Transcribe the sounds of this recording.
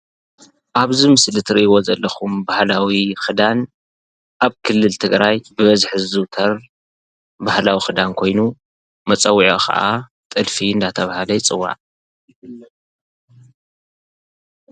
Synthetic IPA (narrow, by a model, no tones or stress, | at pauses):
ʔaβzimɨslɨt̪ʰɨɾiʔiβo̞zɐlːɐxumbahlawixɨd̪an | ʔaβkʰɨlːɨlt̪ʰɨɡɾajbɨβɐzħɨzzɨt̪ʰɐr | bahlawixɨd̪ankʰo̞jnu | mɐt͡sʼɐwiʕo̰kʰɐ̰ʔa | t̪ʼɨlfiɨnd̪at̪ʰɐβahalɐjt͡sʼɨwːa̰ʕ